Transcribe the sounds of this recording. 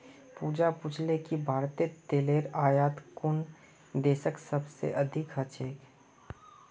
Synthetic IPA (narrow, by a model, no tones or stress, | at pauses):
puːd͡ʒapʊt͡ʃʰlekibʱaːɾt̪et̪eːleːɾaːjaːt̪kʊn | d̪eːʃəksəbsḛʔɐd̪ʱɪkɦɐt͡ʃeːk